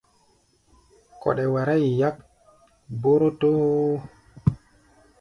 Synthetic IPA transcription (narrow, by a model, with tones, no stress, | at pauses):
kɔ̰˨ɗɛ˨wa˨ɾa˦jja˦k | bo˦ɾo˦to˦